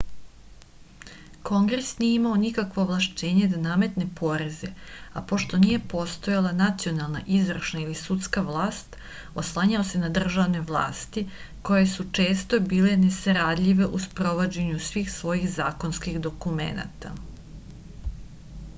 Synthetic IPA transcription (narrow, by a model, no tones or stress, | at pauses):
ko̞ŋɡɾe̞snijeimaonikakʋoːʋlˠaʃt͡ɕe̞ːɲe̞d̪anaːme̞t̪ne̞pʰo̞ɾe̞zeapo̞ʃt̪o̞nije̞po̞st̪o̞jalˠanat̪sio̞nalˠna̰ʔizvrʃnailisut̪skaʋlˠaːst̪ | oslˠaɲaose̞nad̪r̩ʒaʋne̞ʋlˠa̰ːst̪i | ko̞jesut͡ʃe̞ːst̪o̞biːlene̞saɾad̪ʎiʋe̞ʔuspɾo̞ʋo̞d͡ʑe̞ɲusʋiːxsʋo̞jixzaːko̞nskixd̪o̞kumḛna̰t̪a̰